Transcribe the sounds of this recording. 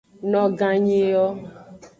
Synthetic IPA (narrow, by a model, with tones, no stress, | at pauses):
nɔ˦ɡã˦ɲe˦jɔ˦